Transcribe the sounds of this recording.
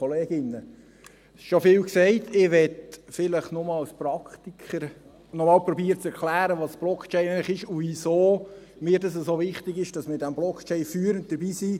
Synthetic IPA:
oleːɡɪnːə | ʃofɪːlksɛɪtʰɪʋɛtfɪləχnʊmɑlspɾɑkχt̪ikχəɾ | nɔmɑːlpɾɔbiːəɾət͡sɛɾkʰlæːɾəʋɑsb̥lɔkt͡ʃɛnæɪləχɪʃuʋisoː | mɪːɾdɑs̬əsovɪχt̪ɪɡɪʃd̥ɑsmɪdæmblɔkt͡ʃɛɪnfyːɾənt̚d̥əɾbiːsiː

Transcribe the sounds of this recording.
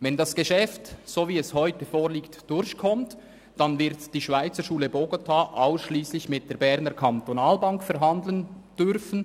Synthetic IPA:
vɛndɑsɡ̥eʃɛftsoːviːɛshɔʏtəfoːɾliːktd̥ʊɾçkʰɔmt | d̥ɑnvɪɾtd̥iːʃvaɪt͡səʃuːləboɡotʰaːʔaʊsʃliːslɪçmɪt̚d̥eːɐɾbɛɾnəɾkʰɑntonaːlbɑŋkfɛɾɦɑndl̩ənd̥ʏrfən̩

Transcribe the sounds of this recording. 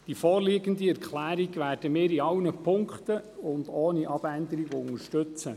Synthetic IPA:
d̥ifɔːrliːɡənd̪iɛɾkʰlæːɾiɡʋæːrd̥əmɪːɾiɑwnəpʰʊŋkχt̪əʊndoːniʔɑb̥ænd̪əɾiɡoʊŋəɾʃtɵt͡sə

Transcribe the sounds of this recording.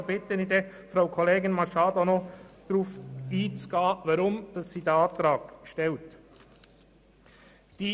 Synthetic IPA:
bɪtənide | fɾaʊkʰɔleːɡɪnmɑɾʃɑːd̪onod̥ɾuːfiːt͡sɡ̥ɑːvɑɾʊmd̥ɑsːiːdɛɑːt̪ɾɑːɡʃtɛlt | d̥iː

